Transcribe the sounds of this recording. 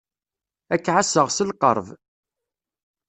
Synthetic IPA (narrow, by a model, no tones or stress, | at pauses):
ækːʕasəʁsəlqə̰ɾˤv